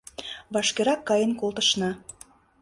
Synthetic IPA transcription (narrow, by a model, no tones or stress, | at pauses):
βɑʃkeɾɑkːɑjənkolˠt̪ə̆ʃnɑ